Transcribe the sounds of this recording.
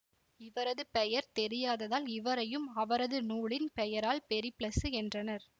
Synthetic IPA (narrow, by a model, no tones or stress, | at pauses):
ɪʋɐɾɐðɯpɛjɐɾt̪ɛɾɪjaːðɐðaːlɪʋɐɾɐjɯmɐʋɐɾɐðɯnuːɭɪnpɛjɐɾaːlpɛɾɪplɐsɯɛndrɐnɐɾ